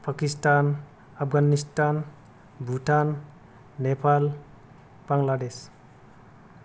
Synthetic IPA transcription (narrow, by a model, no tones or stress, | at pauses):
pʰakistan | apʰɡanistan | bʱuʈanː | epal | b̥aŋlades